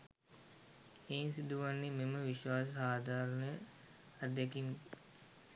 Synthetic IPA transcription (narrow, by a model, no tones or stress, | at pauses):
eːnsid̪uʋanːememəʋiʃʋaːsəsaːd̪ʱaːɾənəjə | ad̪jekim